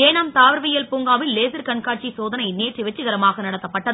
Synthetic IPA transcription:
eːnaːmt̪aːʋɐɾʋɪjɐlpuːŋɡaːʋɪlːeːsɪɾkɐɳkaːʈt͡ʃisoːðɐnɐɪneːʈriʋɛt͡ʃːɯɣɐɾɐmaːɣɐnɐɽɐt̪ːɐpːɐʈːɐðɯ

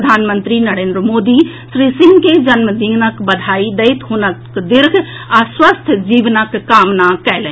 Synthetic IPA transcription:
əd̪ʱaːnmənt̪ɾinəɾeːnd̪ɾəmoːd̪i | sɾisĩŋɡked͡ʒənməd̪iɡnəkbəd̪ʱaid̪əɪt̪ɦunəkd̪iɾɡʰʱ | aswəst̪ʰd͡ʒiːʋnəkːaːmnakɛlɛ̃

